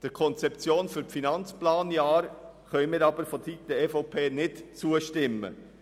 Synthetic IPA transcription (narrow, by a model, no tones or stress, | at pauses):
d̥ɛɾkʰɔnt͡sɛp̚t͡sjoːnfyɾfinɑnt͡splaːnjɑːɾ | χœʏmɪːɾɑːbəɾfosit̪d̥ɛefoʊpʰeːnɪtt͡suːəʃtɪmːə̰